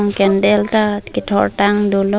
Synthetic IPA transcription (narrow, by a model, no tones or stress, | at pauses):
ŋkɛndɛltakitʰɔ̰ɹtaŋdulɔ